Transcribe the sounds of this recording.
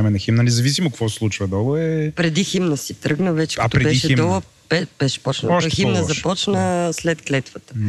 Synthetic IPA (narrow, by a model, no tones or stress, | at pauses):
mɛnɐximnənɛzɐvisimokvɔsɛslˠut͡ʃvɐd̪ɔlˠəɛpɾɛd̪iximnəsit̪ɾɤɡnəvɛt͡ʃɛ̥kt̪ɾɛbɛiʃɛd̪ɔlˠə | bɛb̥ɛʃɛ̥pɔt͡ʃnə̰ximnəzɐppɔt͡ʃnəslɛt̪klɛt̪vət̪ə̥